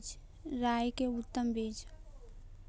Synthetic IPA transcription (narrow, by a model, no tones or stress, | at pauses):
d͡ʒ | ɾajkeut̪ːəmbʱed͡ʒ